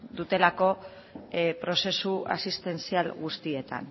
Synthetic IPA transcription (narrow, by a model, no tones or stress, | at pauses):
d̪ut̪e̞lako̞ | pɾo̞se̞sua̰sist̪e̞nsialɣust̪ie̞t̪a̰n